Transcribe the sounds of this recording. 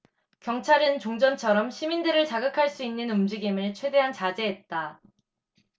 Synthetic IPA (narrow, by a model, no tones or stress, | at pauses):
kjʌŋt͡ɕʰaɾɯnt͡ɕoŋd͡ʑʌnt͡ɕʰʌɾʌmɕʰimindɯɾɯɭt͡ɕaɡɯkʰaɭs͈uinːɯnumd͡ʑiɡimɯɭt͡ɕʰwe̞de̞ɦant͡ɕad͡ʑe̞ɦet̚t͈a